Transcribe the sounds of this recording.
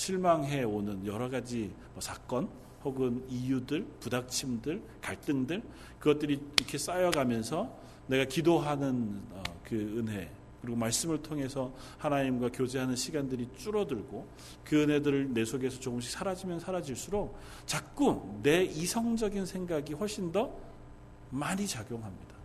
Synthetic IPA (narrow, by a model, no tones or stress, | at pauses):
ɕʰiɭmaŋɦe̞onɯnjʌɾʌɡad͡ʑimʌsʰak͈ʌn | hoɡɯnijudɯɭpudak̚t͡ɕʰimdɯɭ | kaɭt͈ɯŋdɯɭ | kɯɡʌt͈ɯɾikʰe̞s͈ajʌɡamjʌnsʰʌ | ne̞ɡakidoɦanɯnʌkɯɯnɦe̞ | kɯɾiɡomaɭs͈ɯmɯɭtʰoŋɦe̞sʰʌhanaɲimɡwakjod͡ʑe̞ɦanɯnɕʰiɡandɯɾit͡ɕ͈uɾʌdɯɭɡo | kɯɯnɦe̞dɯɾɯɭne̞sʰoɡe̞sʰʌt͡ɕoɯmɕ̬ʰik̚sʰaɾad͡ʑimjʌnsʰaɾad͡ʑiɭs͈uɾok̚ | t͡ɕak̚k͈unːe̞isʰʌŋd͡ʑʌɡinsʰe̞ŋɡaɡiɸoɭɕ͈ʰindʌ | maɲit͡ɕaɡjoŋɦamɲid̥a